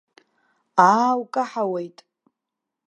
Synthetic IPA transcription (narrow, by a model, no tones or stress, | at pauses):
aːwkʼaħawejtʼ